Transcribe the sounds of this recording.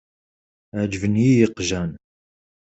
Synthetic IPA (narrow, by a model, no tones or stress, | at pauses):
ʕd͡ʒvənjijəqʒæn